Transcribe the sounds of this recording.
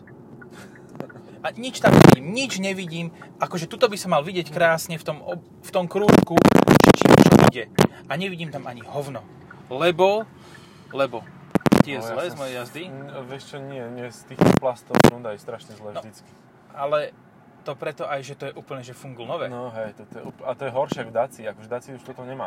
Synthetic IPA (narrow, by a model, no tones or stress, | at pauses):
aɲit͡ʃt̪amɲɛ̰ʋḭɟiːmɲid͡ʒɲɛʋiɟiːmʔakɔʒɛt̪ut̪ɔbisɔmːalʋiɟɪɛckɾaːsɲɛft̪ɔmɔ | ft̪ɔmkɾuːʃkuʃɛt͡ʃiːmt͡ʃɔʔḭɟɛʔaɲɛʋiɟiːmt̪amʔaɲihɔʊnɔ | lɛbɔ | lɛbɔ | t̪ɪɛzlɛːzzmɔjɛjazd̪iʋɪɛʃt͡ʃɔɲɪɛɲɪɛst̪iːxt̪ɔplast̪ɔund̪ajɛst̪ɾaʃɲɛzlɛːvnɔd̪it͡ski̥ | ʔalɛ | t̪ɔpɾɛt̪ɔʔajʒɛt̪ɔjɛʔuːpl̩ɲɛʒɛfuŋɡl̩nɔʋɛːnɔɦɛjt̪ɔt̪ɔjɛ̰uːpat̪ɔjɛɦɔɾʃɛaɡvd̪at͡siakɔʒɛd̪at͡siuʃt̪ɔt̪ɔmɲɛmaː